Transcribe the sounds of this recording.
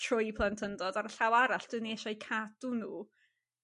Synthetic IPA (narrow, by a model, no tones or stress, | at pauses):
tʰrʊjpʰlˠantʰəndɔdaɾəɬawaɾaɬd̥ɨːniɛʃɔjkʰad̥unuː